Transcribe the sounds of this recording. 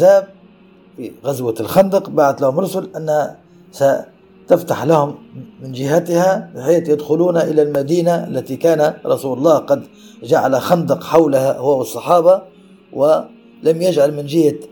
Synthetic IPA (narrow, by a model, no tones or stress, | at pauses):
zaːb̚ | fiɣazwalxɑnd̪ɨqbaːʕat̪lahʊmɾˤʊsʊlʔanːha | sa | t̪aft̪aħlahʊmːɪnd͡ʒɪɦat̪ɪhabɪħeːt̪jad̪xʊluːnaʔɪlalmad̪iːnaʔa̰lːat̪ikaːnaɾˤɑsuːlɑlˤːɑːhqɑd̪d͡ʒaʕalaxɑnd̪ɨqħawlahahʊwawɨsˤːɑħɑːbɑ | wɪ | lamjad͡ʒʕalmɪnd͡ʒɪhːa